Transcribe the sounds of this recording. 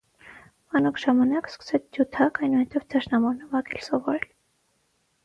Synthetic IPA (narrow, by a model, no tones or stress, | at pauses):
mɑnɔkʰʒ̥ɑmɑnɑkskə̥sɛt͡sʰd̪jut̪ʰɑkɑjnuhɛt̪ɛvd̪ɑʃnɑmɔɾnəvɑɡɛlsɔvɔɾɛl